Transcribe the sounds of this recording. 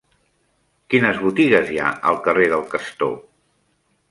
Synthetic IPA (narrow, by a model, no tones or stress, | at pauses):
kinəzβut̪iɣəzja̰ə̰lˠkəreðəlˠkəst̪o̰